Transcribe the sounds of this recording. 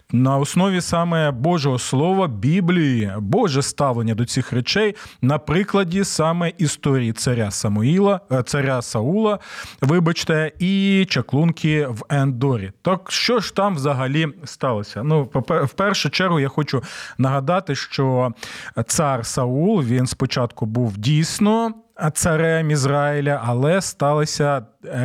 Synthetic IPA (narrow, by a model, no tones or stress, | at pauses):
nɐɔsnɔʋʲisɑmɛbɔʒɔɦɔslˠɔʋɐbʲiblʲijibɔʒɛst̪ɑʋlˠenʲːɐd̪ɔt͡sʲixɾet͡ʃɛjnɐpɾɪklˠɐdʲisɑmɛʔist̪ɔɾʲijit̪sɐɾʲasɐmʊilˠɐt̪sɐɾʲasɐulˠɐʋɪbɐt͡ʃt̪ɛit͡ʃɐklˠunkʲʰiʋɛnd̪ɔɾʲḭt̪ɑkʃt͡ʃɔʒt̪ɑmwzɐɦɐlʲist̪ɑlˠɔsʲɐnuɔpɛwpɛrʃʊt͡ʃɛrɦʊjaxɔt͡ʃʊnɐɦɐd̪ɑt̪ɪʃt͡ʃɔ | t̪sɑrsɐulˠʋʲinspɔt͡ʃɑt̪kʊbuwdʲijsʲnɔt̪sɐɾɛmizrɑɪlʲɐʔɐlˠɛst̪ɑlˠɐsʲɐ